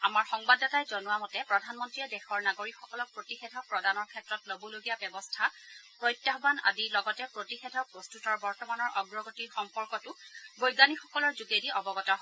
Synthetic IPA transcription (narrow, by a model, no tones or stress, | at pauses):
amaɹxɔŋbadɔtajzɔnuwamɔtɛpɹɔdʱanmɔntɹiɛdɛxɔɹnaɡoɹikxɔkɔlɔk̚pɹotixedʱɔpɹɔdanɔɹkʰɛtɹɔtloboloɡijabjɛbɔstʰapɹɔjtːaɦɔbana̰dilɔɡɔtɛpɹotixedʱɔpɹɔstutɔɹbɔɹtɔmanɔɹʔɔɡɹɔɡotiɹxɔmpɔɹkɔtʊɡojɡanixɔkɔlɔɹzuɡediɔbɔɡɔtɔɦɔ